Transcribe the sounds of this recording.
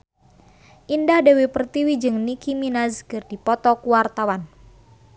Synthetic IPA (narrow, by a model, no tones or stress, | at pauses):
ʔindahdewepərt̪iwid͡ʒɨŋnikiminazkɨrdipɔt̪ɔkuwart̪awan